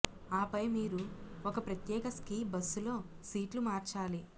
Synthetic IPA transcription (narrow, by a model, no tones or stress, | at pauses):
aːpɐjmiːɾuɔkɐpɾɐt̪jɛːkɐskiːbɐsːulo̞ː | siːʈlumaːɾt͡ʃaːli